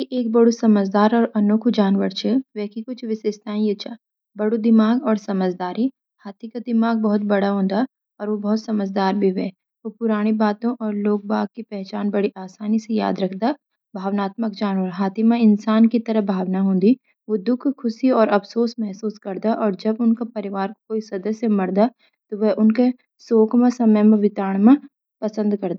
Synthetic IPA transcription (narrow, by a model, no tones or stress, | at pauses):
kiʔeːk̚bɐɽosɐməd͡ʒd̪aːɾɔːɾʔɐnʊkʰd͡ʒaːnʋəɾt͡ʃʰɛʋɛːkikʊt͡ʃʰʋɪsest̪ʰaːĩjet͡ʃʰaː | bɐɽod̪ɪmaːɡɔːɾsɐməd͡ʒd̪aːɾi | haːt̪ʰikad̪ɪmaːɡ̚bɐɦʊt̪̚bɐɽaɦõːnd̪a | ɔːɾʋobɐɦʊt̪sɐməd͡ʒd̪aːɾbʱiʋɛː | ʋopʊɾaːɽ̃ebaːt̪õʔɔːɾloːɡ̚baːɡ̚kipɛɦt͡ʃaːnbɐɽiʔaːsaːniseja̰ːd̪ɾɐkʰd̪a | bʱaːʋnaːt̪məkd͡ʒaːnʋəɾɦaːt̪ʰimẽɪnsaːnkit̪ɐɾəɦbʱaːʋnaɦõːnd̪i | ʋod̪ʊkʰkʰːʊʃiɔːɾɐfsoːsmɛɦsuːskɐɾd̪aʔɔːɾd͡ʒɐbʊnkapɐɾɪʋaːɾkokoːisɐd̪əsjemɐɽd̪a | t̪oʋɛʔʊnke | soːkʰmẽsɐməjmẽʋɪt̪aːɽ̃mẽ | pɐsə̃nd̪kɐɾd̪a